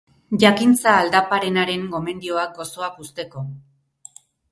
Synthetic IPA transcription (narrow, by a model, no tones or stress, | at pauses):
ʝakint͡saːld̪apaɾe̞naɾe̞ŋɡo̞me̞nd̪io̞ak̚ɡo̞so̞akust̪e̞ko̞